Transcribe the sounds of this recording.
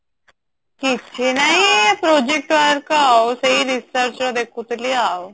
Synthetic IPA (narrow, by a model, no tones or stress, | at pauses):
kitt͡ɕʰenaɦipɾod͡ʑek̚ʈʋəɾkawsəɦiɾisəɾt͡ɕɾɔd̪ekʰut̪liaw